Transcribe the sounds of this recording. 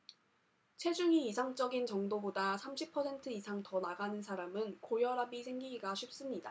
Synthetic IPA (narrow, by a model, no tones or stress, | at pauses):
t͡ɕʰwe̞d͡ʑuŋiisʰaŋt͡ɕ͈ʌɡint͡ɕʌŋdobodasʰamɕʰipʰʌsʰe̞ntʰɯisʰaŋtʌnaɡanɯnsʰaɾamɯnkojʌɾabisʰe̞ŋɡiɡiɡaɕʰip̚s͈ɯmɲida